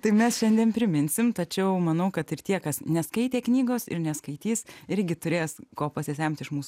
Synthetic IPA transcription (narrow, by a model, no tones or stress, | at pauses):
t̪ɐɪpmʲɛsʃʲɛnʲd̪ʲiɛnpʲɾʲɪmʲɪnʲsʲɪmt̪ɐt͡ʃʲɛʊmɐnɐʊkɐt̪ɪrt̪ʲiɛkɐsnʲɛskɐɪt̪ʲeːknʲiːɡoːsɪ̰ɾnʲɛskɐɪt̪ʲiːsɪɾʲɡʲɪt̪ʊɾʲeːskoːpɐsʲɪsʲɛmʲt̪ʲɪʃmuːs